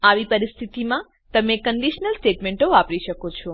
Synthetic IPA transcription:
aʋipəɾist̪ʰit̪imã | t̪əmekəɳɖiʃnəlsʈeʈmeɳʈoʋapɾiʃəkot͡ʃʰɔ

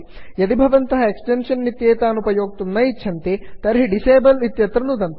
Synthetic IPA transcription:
jɐd̪ibʱɐʋɐnt̪ɐɦɐeksʈenʂɐnːit̪jeːt̪aːnupɐjoːɡ̚t̪unːɐjitːʃʰɐnt̪et̪ɐɾɦiɖiseːbɐlit̪jɐt̪ɾɐnud̪ɐnt̪

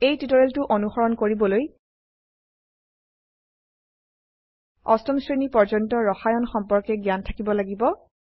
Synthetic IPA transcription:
ejtitɔɹeltʊʔonuxɔɹɔnkoɹibɔloj | ɔstɔmsɹinipɔɹd͡ʒɔntɔɹɔxajɔnxɔmpɔɹkɛɡijantʰakibɔlaɡibɔ

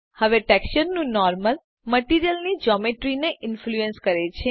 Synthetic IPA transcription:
həʋeʈɛkʃəɾnũnɔɾməl | məʈiɾijəlnid͡ʒɔmeʈɾineʔɪnfluẽnskəɾet͡ʃʰe

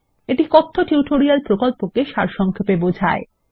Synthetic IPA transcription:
eʈikɔt̪ʰːoʈiuʈoɾialpɾokolpokeʃaɾʃɔŋkʰepebod͡ʑʱae

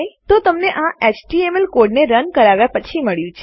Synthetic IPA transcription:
jt̪ot̪əmneʔãet͡ʃʈiemelkoɖneɾənkəɾaʋjapət͡ʃʰiməɭjũt͡ʃʰ

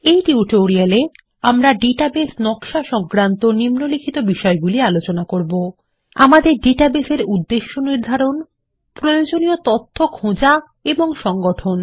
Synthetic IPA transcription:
ejʈiuʈoɾiale | amɾaɖiʈabesnɔkʃaʃɔŋkɾant̪onimnolikʰit̪obiʃɔeɡulialot͡ɕonakoɾbo | a̰mad̪eɾɖiʈabeseɾud̪ːeʃːoniɾd̪ʱaɾon | pɾojod͡ʑoniot̪ot̪ʰːokʰõd͡ʑa | eboŋʃɔŋɡoʈʰon

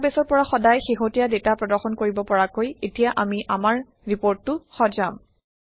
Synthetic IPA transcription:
besɔɹpɔɹaxɔdajxeɦotijadetapɹɔdɔɹxɔnkoɹibɔpɔɹakojetijaʔamiʔamaɹ | ɹipoɹtːʊxɔzam

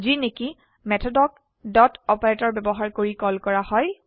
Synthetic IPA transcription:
zineki | mɛtʰɔdɔk | dɔtɔpaɹɛtɔɹbɛbɔɦaɹkoɹikɔlkɔɹahɔj

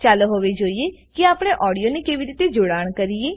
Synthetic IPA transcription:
t͡ʃaːlɦoːʋed͡ʒoːiekiaːpɽ̃eʔɔːɽijonekeːʋiɾiːt̪ed͡ʒoɽaːɽ̃kəɾieː

